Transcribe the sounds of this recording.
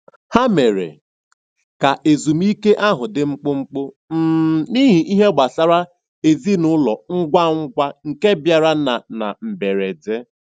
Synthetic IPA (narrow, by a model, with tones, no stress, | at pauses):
ha˦me˨ɾḛ˨ | ka˨ʔe˨zu˨m˦i˦ke˦ʔa˦ɦʊ˨dɪ˨ŋ͡m̩˦k͡po˦ŋ͡m̩˦k͡po˦ | m̩˦ni˦ɦi˨ʔi˦ɦe˦ɡ͡ba˨sa˦ɾa˦ | e˨zi˦nʊ˦lɔ˨ŋ̩˦ɡʷa˦ŋ̩˦ɡʷa˦ŋ̩˨ke˦bja˨ɾa˦na˨na̰˨m̩˨be˨ɾe˨d͡ze˦